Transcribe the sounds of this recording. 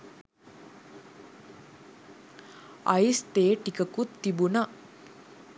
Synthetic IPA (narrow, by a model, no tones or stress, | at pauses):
ɐ̰ist̪eːʈikəkut̪ːibuna